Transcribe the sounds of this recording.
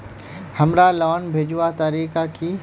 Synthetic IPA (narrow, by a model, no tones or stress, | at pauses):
hɐmɾalɔːnbʱeːd͡ʒat̪aɾiːkaki